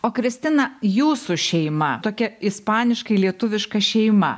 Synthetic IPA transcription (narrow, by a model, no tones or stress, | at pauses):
oːkɾʲɪsʲt̪ʲɪnɐjuːsʊʃʲɛɪmɐt̪oːkʲɛɪspɑːnʲɪʃkɐɪlʲiɛt̪ʊʋʲɪʃkɐʃʲɛɪmɐ̰